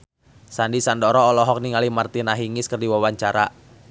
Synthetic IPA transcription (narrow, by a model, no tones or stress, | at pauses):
sandisandɔɾɔːlɔɦɔk̚niŋalimart̪inaɦiŋɪskərdiwawaɲt͡ʃaɾa